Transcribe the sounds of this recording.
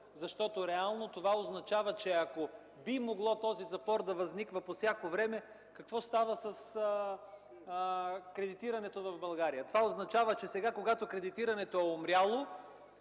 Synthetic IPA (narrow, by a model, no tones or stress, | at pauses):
zɐʃt̪ɔt̪oɾɛalˠnot̪ovaoznɐt͡ʃavət͡ʃɛɐko | bimoɡlˠɔt̪ɔzizɐpɔɾd̪ɐvɐznikvəposʲjakovɾɛmɛ | kɐkvɔst̪avəsɐs | kɾɛd̪it̪iɾɐnɛt̪ovɐvbɐlˠɡaɾijət̪ovaoznɐt͡ʃavət͡ʃɛsɛɡakoɡat̪okɾɛd̪it̪iɾɐnɛt̪oɛomɾʲjalˠo